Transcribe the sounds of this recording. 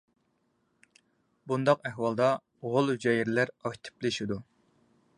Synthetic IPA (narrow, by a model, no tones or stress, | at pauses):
bund̪ɑqæhwɑlˠd̪ɑ | ʁolˠhyd͡ʒɑjiɾlæɾɑkʲt̪ʰɪ̥plɪʃid̪u